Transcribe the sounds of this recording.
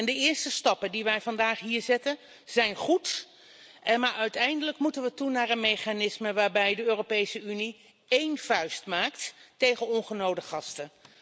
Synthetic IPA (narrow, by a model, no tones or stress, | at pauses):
ɛndəɪːɹstəstɑpəndiʋɛjvɑndaːχɦiːɹzɛtən | z̥ɛjnχut | ɛmaːɹœɥtɛjndələkmutənʋətunaːɹənmejχanɪsməʋaːɹbɛjdəøːropejsəyni | ejnfœɥstmaːktːejχənɔnχənowdəχɑstə